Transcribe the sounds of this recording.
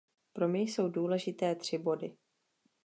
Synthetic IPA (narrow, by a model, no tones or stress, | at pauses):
pɾo̞mɲɛjso̞wduːlɛʒɪt̪ɛːt̪r̝̥ɪbo̞dɪ